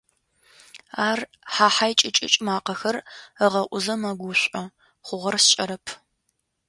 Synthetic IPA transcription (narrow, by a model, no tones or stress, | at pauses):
aːr | ħaːħajt͡ʃʼɪt͡ʃʼɪ̰t͡ʃʼmaːqɐxɐrəʁɐʔʷʊzɐmɐɡʷʊɕʷʼɐ | χʷʊʁɐrst͡ʃʼɐɾɐpʰ